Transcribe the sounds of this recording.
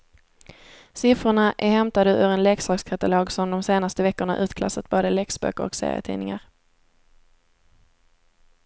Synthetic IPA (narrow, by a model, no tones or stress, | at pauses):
sɪfɾʊɳaʔæhɛmt̪ad̪əʔœɾɛnlɛːksɑːɡskʰat̪aloːɡsɔmd̪ɔmseːnast̪əvɛkːʊɳaʔʉ̟ːt̪kʰla̰sːat̪̚boːd̪əlɛksbœ̰ːkːəɾɔ̰ksḛːɾɪ̰ə̰t̪ʰḭːnɪŋa̰ɾ